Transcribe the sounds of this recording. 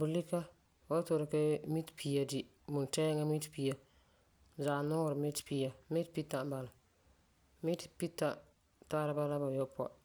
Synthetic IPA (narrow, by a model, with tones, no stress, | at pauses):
bu˨lɪ˦ka˦ | wa˦tʊ˨ɾɪ˨kɛ˦mi˦tpʰi˨a˨di˨ | mu˨tɛ˦ŋa˦mi˦tpi˦a˨ | za˨nɔ˦ŋʊ˨ɾɪ˨mɪ˦tpi˦a˨mɪ˦tpi˦ta˨ba˨la˨ | mɪ˦tpi˦ta˨ | ta˦ɾɪ˦ba˦la˦ba˨jɔ˦pɔ˨